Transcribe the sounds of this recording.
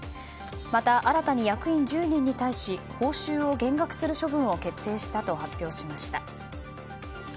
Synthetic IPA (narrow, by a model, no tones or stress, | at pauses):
mat̪aʔaɾat̪aɲ̟ijakɯ̟ĩɲd͡ʑɨːɲ̟ĩɲ̟ːit̪aiɕiho̞ːɕɨːo̞ɡẽ̞ŋɡakɯ̟̥sɨɾɯ̟ɕo̞bɯ̟̃ɰ̃o̞ke̞t̪ʰːe̞ːɕi̥t̪at̪o̞hapʲːjo̞ːɕimaɕi̥t̪a